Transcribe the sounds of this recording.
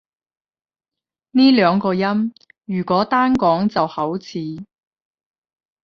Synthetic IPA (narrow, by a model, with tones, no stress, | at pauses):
niː˥lœː˨˧ŋkɔː˧jɐ˥m | jyː˨˩kʷɔː˨˥t̪aː˥nkɔː˨˥ŋt͡sɐ˨whɐ˨˥wt͡sʰiː˨˥